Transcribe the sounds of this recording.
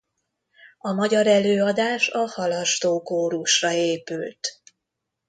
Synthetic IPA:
ɒmɒɟɒɾɛløːɒd̪aːʃɒhɒlɒʃt̪oːkoːɾuʃrɒeːpylt̪

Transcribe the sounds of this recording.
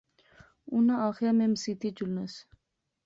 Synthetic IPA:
unaaxememsit̪id͡ʒulnas

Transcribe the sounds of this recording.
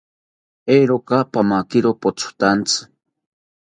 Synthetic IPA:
eɾokapamakɪɾopot͡sʰʊ̥t̪ant͡sɨ̥

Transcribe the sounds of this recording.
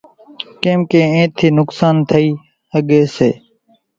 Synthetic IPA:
kẽːmkẽːẽːt̪ʰːiːnʊksaːnt̪ʰəiː | həɠeːseː

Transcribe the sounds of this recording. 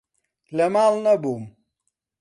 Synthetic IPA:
lɐmalnɐbum

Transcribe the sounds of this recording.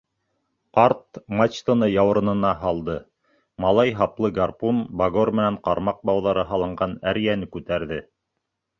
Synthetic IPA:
qɑɾt̪mat͡ʃt̪ŏnɤjɑwɤ̆ɾɤ̆nɤ̆nɑɦɑlˠd̪ɤ | mɑlˠɑjɦɑplˠɤɡarpunbaɡormɘ̆næɴqɑɾmɑq̚bɑwðɑɾɤɦɑlˠɤ̆ɴɢɑnæɾjænɘkʉt̪æɾðɘ

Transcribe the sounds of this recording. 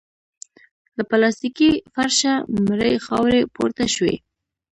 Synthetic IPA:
lapalɑst̪ikifaɾʃamɾəjxɑwɾepo̰ɾt̪aʃwḛ

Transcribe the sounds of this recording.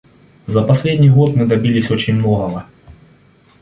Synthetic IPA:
zɐpɐsʲlʲedʲnʲijɣot̪mɨd̪ɐbʲilʲɪsʲo̞t͡ɕɪnʲmnoɣɐɣɐ

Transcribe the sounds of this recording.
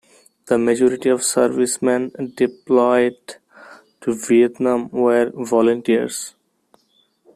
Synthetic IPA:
d̪̥əməd͡ʒɔːɾɪʈiɔʋsəɾʋɪsmɛ̃nɖɪplaɪɖ | ʈuʋiət̪nãmʋəɾʋɔːlə̃ɳʈiə̰ɾz̥

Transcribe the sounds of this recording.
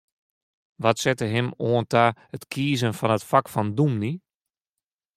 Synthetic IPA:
ʋɔtsɛtəɦɪmoəntaətkʰiːzənfɔnətfakfɔndumni

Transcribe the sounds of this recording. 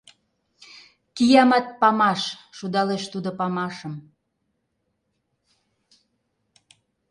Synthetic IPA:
kijɑmɑt̪̚pɑmɑʃʃud̪ɑleʃt̪ud̪opɑmɑʃəm

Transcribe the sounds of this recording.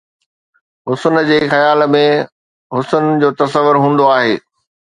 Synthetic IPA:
ɦʊsənd͡ʑeːxɐjaːlmẽ | ɦʊsənd͡ʑoːt̪ɐsəʋːʊɾɦũːn̆d̪oaːɦeː

